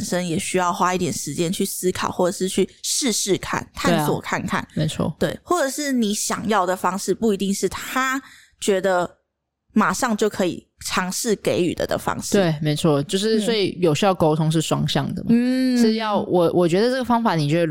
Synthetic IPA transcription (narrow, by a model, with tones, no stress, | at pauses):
nʂə˦njɛ˨˩ɕy˥jɑ˥˩ʊxwa˥i˥˩t̪jɛ˨˩nʂɻ̩˧˦t͡ɕjɛ˥nt͡ɕʰy˥˩sɹ̩˥kʰɑ̰˨˩ʊxwɔ˥˩ʈ͡ʂə˨˩ʂɻ̩˥˧t͡ɕʰy˥˩ʂɻ̩˥˧ʂɻ̩˥˩kʰa̰˥˩nkʰa˥˩nswɔ̰˨˩kʰa˥˧nkʰa̰˥˩nme˧˥ɪt͡sʰwɔ̰˥˩t̪we˥˩ɪxwɔ˥˩ʈ͡ʂə˨˩ʂɻ̩˥˩ni˨˧˥ɕjɑ˨˩ŋjɑ˥˩ʊd̪ə˩fɑ˥ŋʂɻ̩˥˧pu˥˩i˧˥t̪i˥˧ŋʂɻ̩˥˩t̪ʰa˥ | t͡ɕɥɛ˧˥d̪ə˧ | ma˨˩ʂɑ˥˧ŋt͡ɕjo˥˩ʊkʰɤ˧˥ḭ˨˩ | ʈ͡ʂʰɑ˧˥ŋʂɻ̩˥˩ke˧˥ɪy̰˨˩d̪ə̰˩d̪ə̰˩fɑ̰˥ŋʂɻ̩˧we˩˥˩ɪme˧˥ɪt͡sʰwɔ˥˧t͡ɕjo˥˧ʊʂɻ̩˥swɔ˧˥i˨˩jo˨˩ʊɕjɑ˥˩ʊko˥ʊt̪ʰʊ˥ŋʂ̬ɻ̩˥˩ʂwɑ̰˥ŋɕjɑ̰˥˩ŋd̪ə̰˩man̩˥ʂɻ̩˥˩jɑ˥˩ʊwʔɔ˨˩wʔɔ˨t͡ɕɥɛ˧˥d̪ə˧ʈ͡ʂə˥˩ɡə˩fɑ˥ŋfa˨˩˦ni˨t͡ɕo˥˧ʊw